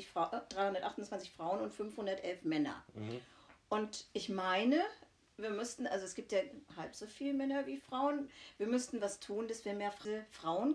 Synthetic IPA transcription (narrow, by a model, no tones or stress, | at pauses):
ɪçd̥ʁaɪhʊndɐtʔaχtʊnt͡sv̥ant͡sɪçfʁ̥aʊənʊntfʏmfhʊndɐtʔɛlfmɛnɐ̰ | ʔʊntʔɪçmaɪnə | viːɐmʏstn̩ʔalzoɛsɡ̥iːp̚tjaːhalpz̥oːfiːləmɛnɐviːfʁ̥aʊənviːɐmʏstn̩vastʰuːnd̥asv̥iːɐmeːɐfʁəfʁ̥aʊən